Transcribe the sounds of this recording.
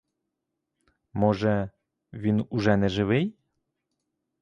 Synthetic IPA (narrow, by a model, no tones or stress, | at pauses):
moʒɛ | ʋʲinuʒɛnɛʒɪʋɘj